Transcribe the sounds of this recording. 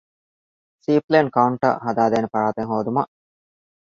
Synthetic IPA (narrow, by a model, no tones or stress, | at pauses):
siːpleːnkɐuɳʈɐ̰ɦɐd̪aːd̪eːnepɐɾaːt̪eŋɦoːd̪umɐʔ